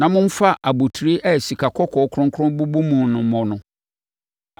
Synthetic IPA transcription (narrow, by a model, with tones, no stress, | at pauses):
nã˨mʊ̃˦m̩˦fa˦ʔa˨bu˨tʰɾi˦ʔɛ˦˨si˨kʰa˨kʰɔ˦kʰɔ˨˦kʰɾʊ̃˦ŋkʰɾʊ̃˦mbu˦bu˦mũ˨nʊ̃˨mɔ̃˨nʊ̃˨